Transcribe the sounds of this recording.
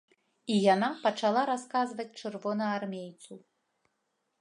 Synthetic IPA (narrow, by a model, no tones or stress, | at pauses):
ijanapɐt͡ʂalˠaɾaskazvɐt͡sʲt͡ʂɨrvɔnɐarmʲejt̪su